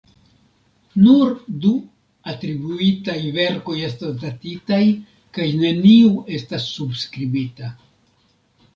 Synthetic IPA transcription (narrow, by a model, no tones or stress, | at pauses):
nuɾdu | atɾibuitajve̞ɾko̞je̞stosdatitaj | kajne̞niue̞stasːubskɾibita